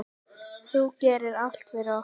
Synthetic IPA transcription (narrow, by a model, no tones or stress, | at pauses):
θuːcɛːɾɪɾal̥t̪vɛːɾɔ